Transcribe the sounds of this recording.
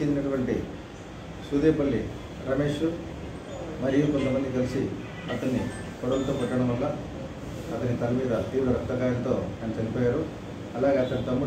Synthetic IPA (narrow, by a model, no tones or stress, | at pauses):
ind̪inɐkɐbɐɳʈi | sud̪eːpɐɭːi | ɾɐme̞ːʂu | mɐɾijukont̪ɐmɐnːik̪ɐlisi | ɐt̪ɐnːḭ | kɔɽɐlt̪oːpɛʈːɐɽɐmʋɐlːa | ɐt̪ɐnːit̪ɐlɐmiːd̪ɐt̪iːʋɾɐɾɐkt̪ːɐkaːjɐnt̪o̞ːt̪ɐnɐt͡ʃɐnipɔːjaːɾu | ɐlaːɡeːɐt̪ɐnt̪ɐmːu